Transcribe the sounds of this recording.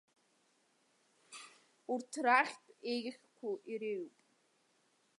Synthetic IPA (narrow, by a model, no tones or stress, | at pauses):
urtʰraχʲtʼejʲχʲkʷʰuʔiɾeɥpʼ